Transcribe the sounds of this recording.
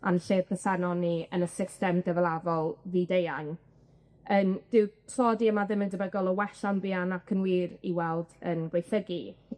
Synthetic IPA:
a̰nəɬeːdnəsɛnɔniənəsɪstɛmdəvəlˠavɔlˠðidejan | ənd̥ɪwpʰrɔdiəmaðɪmɪndəbɛɡɔlˠɔwɛɬanbɪːanakʰənwiːɾiwɛlˠdənɡwejθəɡi

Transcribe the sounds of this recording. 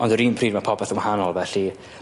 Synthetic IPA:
ɔndəɾiːnpʰr̥iːdmapʰɔbɛθənwahanɔlˠvɛɬi

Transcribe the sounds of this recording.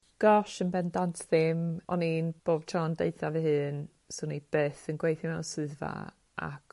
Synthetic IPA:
ɡ̥ɔʃənbɛndantʰðɪmɔninb̥oːb̥̚tʰrɔndḛjθavɨɦɨːn | sonib̥eːθənɡwejθmansɨðva̰ | a̰k

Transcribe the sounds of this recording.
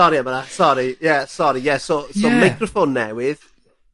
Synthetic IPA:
ɔɾiamanasɔɾijɛsɔɾijɛsosɔmajkʰrɔfonːɛwɪð

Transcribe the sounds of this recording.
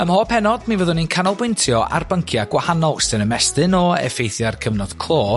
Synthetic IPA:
əmhɔːpʰɛnɔd̥minvəðʊninkʰanɔlˠbwɪntʰjɔa̰rbəŋkʰjaɡ̥wahanɔlˠstənəmɛstɨnɔɛ̰fejθjarkʰəvnɔd̥kʰlˠoː

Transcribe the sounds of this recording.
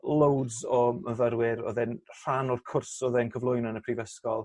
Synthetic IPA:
lˠowdzɔməvəɾwɪɾɔ̰ðɛnr̥anɔrkʰʊrsɔðɛnkʰəvlˠʊjnɔnəpʰrivəskɔlˠ

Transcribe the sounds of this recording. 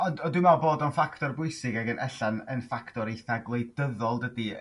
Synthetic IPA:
ɔndɔdɪmaboːdɔnfaktɔrbʊɨsɪɡaɡənʔɛɬanənfaktɔɾejθaɡlˠejdəðɔlˠdədi

